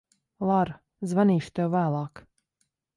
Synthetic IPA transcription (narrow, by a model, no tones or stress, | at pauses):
lˠaɾ | zvaniːʃt̪ɛwvæːlˠɑːk